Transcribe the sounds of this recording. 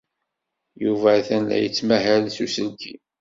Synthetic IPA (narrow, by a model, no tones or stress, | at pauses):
juvæθænlæ̰jət͡sːmæɦælθusəlkʰḭ